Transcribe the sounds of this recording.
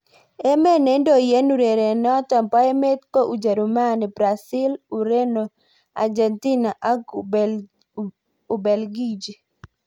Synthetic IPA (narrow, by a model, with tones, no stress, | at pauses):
e˦me˦ne˦ndo˨je˦nu˨ɾe˨ɾe˨nɔ˦tɔ˨mpɔ˦e˦me˦t̪̚ko˦ʔu˨d͡ʒa˨ɾu˨ma˦ni˨bɾa˨sɪ˦lu˨ɾe˦no˨ | a̰˨d͡ʒɛ˨nti˦na˨ʔa˦ɡ | u˨bɛ˨lɡi˦d͡ʒi˨